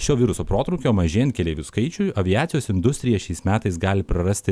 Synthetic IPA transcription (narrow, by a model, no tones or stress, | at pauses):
ʃʲoːʋʲiːɾʊsoːpɾoːt̪ɾɔʊkʲoːmɐʒʲeɛɛnt̪̚kʲɛlʲeːʋʲuskɐɪt͡ʃʲʊjɐʋʲɪjæːt̪sʲɪjoːsɪnd̪ʊsʲt̪ʲɾʲɪjɛʃʲɛɪsmʲæːt̪ɐɪsɡɑːlʲɪpɾɐɾɐsʲt̪ʲɪ